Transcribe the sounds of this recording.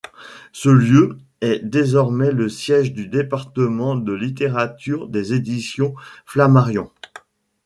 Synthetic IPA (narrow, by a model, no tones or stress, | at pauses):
səljø | ɛd̪ezɔʁmɛləsjɛʒd̪yd̪epaʁt̪əmɑ̃d̪əlit̪eʁat̪yʁd̪ezed̪isjɔ̃flamaʁjɔ̃